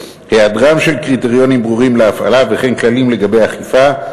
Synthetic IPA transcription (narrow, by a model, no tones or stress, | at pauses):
headʁamʃe̞lkʁit̪eʁijo̞nimbʁuʁimleafa̰lave̞χe̞nklalimle̞ɡabe̞jaχifa